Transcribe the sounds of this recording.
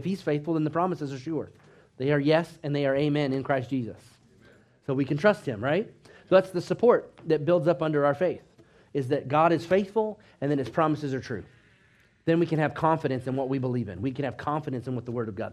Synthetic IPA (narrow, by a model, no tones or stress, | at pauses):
ɪfhiz̥feɪθfl̩ˠðə̃nðəpʰɹ̥ɑməsɨzə˞ʃʊɹ | ðeɪə˞jɛsɨ̃nðeɪə˞eɪmɛ̃nɨ̃nkʰɹ̥aɪsd̥ʒ̥izə̰sː | oʊwikɨ̃ntɹ̥ʌst̚hɨ̃mɹaɪt̚ | ðætsðɨsəpʰɔɹt̪̚ðɨt̚b̥ɪlˠdzʌpʌ̃ndə˞aʊə˞feɪθ | ɨzðɨt̚ɡ̥ɑɾɨz̥feɪθfl̩ˠ | ɨ̃nðɨ̃nɨz̥pʰɹ̥ɑməsɨzə˞tʰɹ̥ʉ̰ | ðɨ̃nwikɨ̃nɨv̥kʰɑ̃ɱfɨɾɨ̃nsɨ̃nwʌt̚wibəlivɨ̰̃nwikɨ̃nɨv̥kʰɑ̃ɱfɨɾɨ̃nsɨ̃nwʌðəwɜ˞ɾʌvɡɑ̰d̚